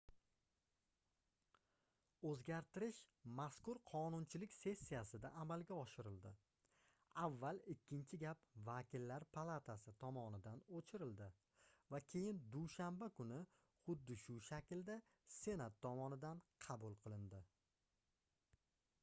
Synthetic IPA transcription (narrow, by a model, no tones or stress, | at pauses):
ɵzɡʲaɾt̪ɪɾɪʃmaskʊɾqʰɒnʊnt͡ʃʰɪlɪkʲse̞sʲːijasɪd̪aːmalɡʲaɒʃɪɾɪld̪ɪ | avːalɪkʲʰːɪnt͡ʃʰɪɡʲapvakʲʰɪlːaɾpʰalˠat̪ʰasɪt̪ʰɒmɒnɪd̪anot͡ʃʰɪɾɪld̪ɪ | vakʲʰe̞jɪnd̪uʃambakʰʊnɪ | χʊd̪ːɪʃʊʃakʲld̪a | se̞nat̪ʰːɒmɒnɪd̪anqʰɑbʊlˠqʰɨlˠɪnd̪ɪ